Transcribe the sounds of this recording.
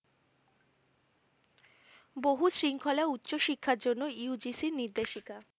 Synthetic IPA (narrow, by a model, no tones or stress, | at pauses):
boɦusɾiŋkʰɔlautːɕoʃikʰːaɾd͡ʑonːoiud͡ʑisiɾniɾd̪eʃika